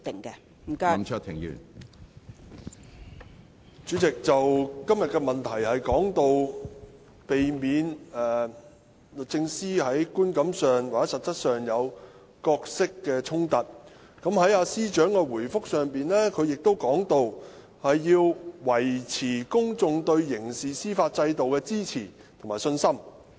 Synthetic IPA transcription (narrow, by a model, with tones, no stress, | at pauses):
t̪ɪ˨˩ŋkɛ˧ | m̩˨˩ka˥˨mt͡ʃʰə˥t̪ʰːɪ˨˩ŋjy̰ː˨˩n | t͡ʃyː˨˥t͡sɪ˨k̚t͡sɐ˨wkɐ˥mjɐ˨t̚kɛ˧mɐ˨˩nt̪ʰɐ˨˩jhɐ˨jkɔː˨˥ŋt̪o˧w | pe˨jmiː˨˧nɛː˨˩ | lk̚t͡sɪ˧ŋsiː˥hɐ˨˥jkuː˥nkɐ˨˥msœː˨ŋwa˨k̚ɛ˨˦˥sɐ˨t̚t͡sɐ˥t̚sœː˨˩ŋjɐ˨˧w | kɔː˧k̚sɪ˥kːɛː˧t͡sʰʊ˥ŋt̪ɐ˨t̚ | kɐ˨˥mhɐ˨˥jaː˧siː˥t͡ʃœː˨˥ŋkɛː˧wuː˨˩jfʊ˥k̚sœː˨ŋpiː˨nlɛː˥kʰɵ˨˧ɥjɪ˨k̚t̪o˥wkɔː˨˥ŋt̪o˧w | hɐ˨jːiː˧wwɐ˨˩jt͡sʰiː˨˩kʊ˥ŋt͡sʊ˧ŋt̪ɵ˧ɥjɪ˨˩ŋsiː˨siː˥faː˧t̚t͡sɐ˧jt̪o˨wkɛː˧t͡siː˥t͡sʰiː˨˩ | t̪ʰo˨˩ŋmaː˨˩jsɵ˧nsɐ˥m